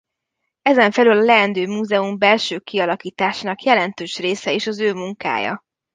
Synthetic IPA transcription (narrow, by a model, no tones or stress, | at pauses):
ɛzɛɱfɛlylɒlɛːnd̪øːmuːzɛumbɛlʃøːkiɒlɒkiːt̪aːʃaːnɒkjɛlɛnt̪øːʃreːsɛeːʃɒzøːmuŋka̰ːjɒ̰